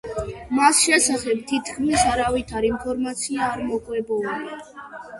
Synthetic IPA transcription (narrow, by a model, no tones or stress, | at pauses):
masʃɛsaχɛb̚t̪ʰit̪ʰkʰmisaɾavit̪ʰaɾimpʰɔɾmat̪sʰiaːɾmɔkʼwɛbɔuli